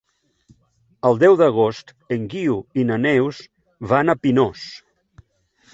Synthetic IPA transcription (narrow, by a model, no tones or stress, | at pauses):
əlˠd̪ɛwðəɣ̞ost̪ | əŋɡiuinənɛwz | βanəpinos